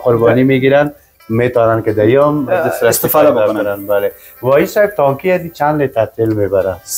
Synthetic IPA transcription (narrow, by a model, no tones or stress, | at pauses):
qʊɾbɔnimiɡiɾan | met̪ɔnanked̪ajɔmd̪ɪsɾɪst̪ɪfɔd̪aanaɾanbale | wɔisaɪb̚t̪ɔŋkiad̪it͡ʃanlet̪at̪ilmebaɾa